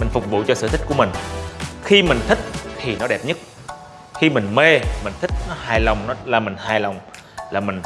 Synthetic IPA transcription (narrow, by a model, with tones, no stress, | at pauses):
mï˨˩ŋ̟fʊ˨˩k͡p̚vṵ˧˨t͡ɕɔ˧sɨ̰˧˨t̪ʰi˦˥ku˧˩əmï˨˩ŋ̟xi˧mï˨˩ŋ̟t̪ʰï˦˥k̚t̪ʰi˨˩nɔ˨˦ɗɛ˨˩p̚ɲə˦˥t̚ | xi˧mï˨˩ŋ̟me˧mï˨˩ŋ̟t̪ʰï˦˥k̚nɔ˨˦haː˧˩jlə˨˩wŋ͡mnɔ˨˦laː˨˩mï˨˩ŋ̟haː˧˩jlə˨˩wŋ͡m | laː˨˩mï˨˩ŋ̟